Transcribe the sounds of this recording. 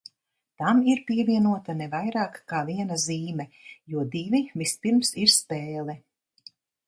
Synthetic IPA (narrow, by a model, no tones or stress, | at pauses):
t̪amiɾpiɛvʲiɛnuɔt̪anɛvajɾaːkːaːviɛnaziːmɛjuɔd̪ivivispiɾmsiɾspeːlˠɛ